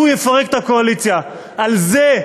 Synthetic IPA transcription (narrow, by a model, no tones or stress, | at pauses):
ujefaʁekt̪ako̞alit͡sja | alze